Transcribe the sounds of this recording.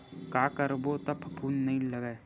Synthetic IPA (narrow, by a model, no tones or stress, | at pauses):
kakəɾbot̪ɐpʰpʰuːnːɐɦĩlɐɡae